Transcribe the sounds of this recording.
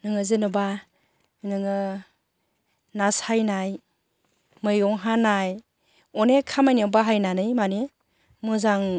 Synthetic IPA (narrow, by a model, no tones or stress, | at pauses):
nɯŋɯzɯnɯba | nɯŋɯ | nasajnaj | mɯjɔŋɦanaj | ɔnekʰamajniɔbaɦajnanɯjmane | mɯzaŋ